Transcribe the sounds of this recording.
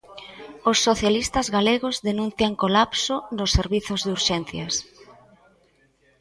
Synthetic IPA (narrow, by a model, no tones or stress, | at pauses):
osːoθjalist̪azɣaleɣozðenũn̟θjaŋkolapsonʊsːeɾβiθʊzðuɾʃɛn̟θjas